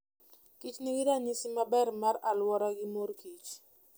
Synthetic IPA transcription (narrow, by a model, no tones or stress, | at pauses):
kit͡ʃniɡɪɾaɲisɪmabɛrmaralwɔɾaɡɪmorkit͡ʃ